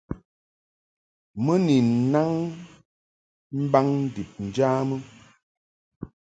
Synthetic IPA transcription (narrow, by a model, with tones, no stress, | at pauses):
mə˦ni˨na˦ŋ | m̩˦ba˦ŋn̩˦di˨p̚n̩˨d͡ʒaː˦mə˦